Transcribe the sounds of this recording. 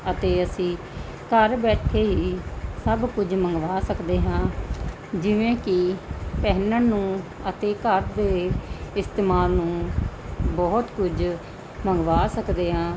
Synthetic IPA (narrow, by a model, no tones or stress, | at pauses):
ət̪eːəsĩː | kəɾbɛːʈʰeːɦiːsəbkʊd͡ʒməŋɡʋaːsəkd̪eːɦãː | d͡ʒɪʋẽːkɪpɛɦnənũː | ət̪eːkəɾd̪eːɪst̪eːmaːlnũː | bɔːt̪kʊd͡ʒ | məŋɡʋaːsəkd̪eːɦãː